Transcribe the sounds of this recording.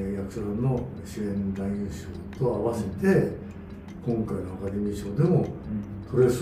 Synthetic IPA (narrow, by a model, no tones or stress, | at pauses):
jakɯ̟soɾãnːo̞ | ɕiẽ̞nd̪aiɯ̃ɰɕɨ | t̪o̞aβase̞t̪e̞ | kõ̞ŋkaino̞akad̪e̞mʲiʑo̞ːd̪e̞mo̞t̪ʰo̞ɾes